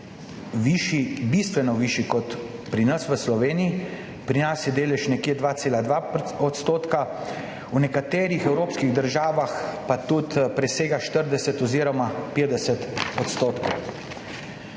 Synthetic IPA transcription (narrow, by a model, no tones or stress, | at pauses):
ʋiʃibist̪ʋɛnɔʋiʃikɔt̪pɾinɐsʋəslɔʋeːnii | pɾinasjɛd̪eːlɛʃnɛkjeːd̪ʋaːt̪seːlad̪ʋaɔt̪st̪oːt̪ka | unɛkat̪eːɾixɛwɾoːpskiɣd̪əɾʒaːʋaxpat̪ut̪pɾɛseːɡaʃt̪əɾd̪ɛsɛt̪ɔziːɾɔmapeːd̪ɛsɛt̪ɔt̪st̪oːt̪kow